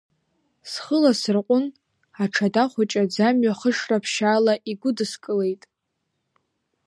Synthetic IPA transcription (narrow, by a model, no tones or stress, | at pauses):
sχəlasɨrqʷʼʊn | aʈ͡ʂʰadaχʷat͡ʃʼad͡zamɥaχəʂrapʰʃaːlaʔiɡʷʊdɨskʼɨle̞jtʼ